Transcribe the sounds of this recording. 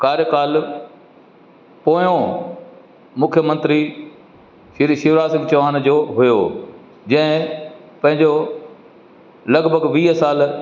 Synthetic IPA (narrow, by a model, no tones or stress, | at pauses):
kaːɾjəkaːl | poːjõ | mʊkʰjəmə̃nt̪ɾi | ʃʃɪʋɾaːsɪ̃ŋɡt͡ɕɐʋaːñd͡ʑoːɦʊjoː | d͡ʑɐ̃ɦɪ̃pɐ̃ɦɪ̃ɲd͡ʑo | lɐɡbʱəɡʋiːɦəsaːl